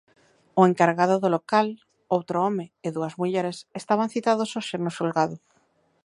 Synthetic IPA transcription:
ʊeŋkaɾɣaðʊðolokal | owt̪ɾʊɔmɪɪðuɐzmuʎɛɾesest̪aβ̞an̟θit̪aðosoʃeɾnosulɣaðʊ

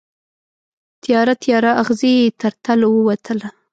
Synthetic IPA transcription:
t̪jɑɾat̪jɑɾaʔaɣzijet̪aɾt̪alowəwat̪ʰəla

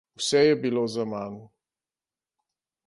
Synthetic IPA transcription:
wsɛjɛbilozamaːnu

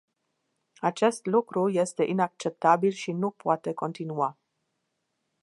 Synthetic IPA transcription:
at͡ʃe̞st̪lukɾuje̞st̪e̞ʔinak̚t͡ʃe̞p̚t̪abilʃinupoat̪e̞ko̞nt̪inua

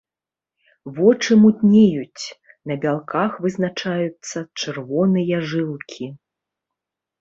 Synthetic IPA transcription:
vɔt͡ʂɨmut̪ʲnʲejut͡sʲ | nɐbʲalˠkʰaxvɨznat͡ʂajut̪sːɐt͡ʂɨrvɔnɨjɐʐɨlˠkʲʰi

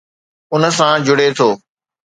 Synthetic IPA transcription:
ʊnəsãd͡ʑʊɽet̪ʰoː

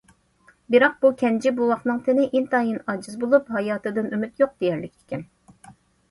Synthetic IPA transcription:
bɪɾɑq̚bukʲʰɛnd͡ʒibuwɑχnɨŋt̪ʰɪnɪʔint̪ɑːjinɑd͡ʒɨzbolˠuphɑjɑːt̪ɨd̪ɨnymyt̪joq̚d̪̥ejɛæɾlɪkʲt̪ɪ̥kʲɛn

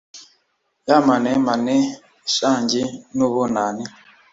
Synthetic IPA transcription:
jamanɛmanɛ | ʃaɲd͡ʒinuβɔnani

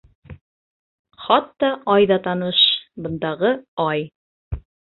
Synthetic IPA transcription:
χɑt̪ːɑʔɑjðɑt̪ɑnɤʃbɤ̆nd̪ɑʁɤɑj

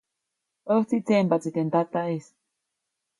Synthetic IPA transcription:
ot͡sit͡sembat͡sit̪ɛnd̪at̪aes

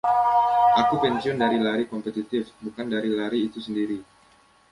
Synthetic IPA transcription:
ʔakupɛnsiɔndaɾilaɾikɔmpɛt̪it̪ɪfbukandaɾilaɾiːt̪usəndiɾi

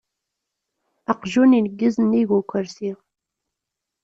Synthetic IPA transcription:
əqʒuninəɡːəzəniʝukʷːəɾsiʁ

